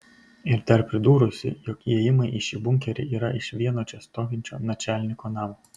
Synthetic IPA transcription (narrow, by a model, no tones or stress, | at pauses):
ɪɾt̪ʲɛɾpʲɾʲɪd̪uːɾʊsʲɪ̰jɔkɛjɪmɐɪʔɪʃʲibʊŋʲkʲɛɾʲɪ̰ʔiːɾɐʔɪʃʋʲiɛnoːt͡ʃʲɛst̪oːʋʲɪnʲt͡ʃʲo̰ːnɐt͡ʃʲæːlʲnʲɪkoːnɑːmoː